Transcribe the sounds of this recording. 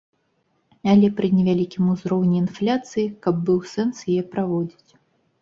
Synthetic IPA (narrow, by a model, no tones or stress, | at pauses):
alʲɛpɾɨnʲɛvʲalʲikʲimuzɾɔwnʲiːnflʲat̪sɨjikɐb̚ːɨwsɛnsjajɛpɾavɔd͡zʲit͡sʲ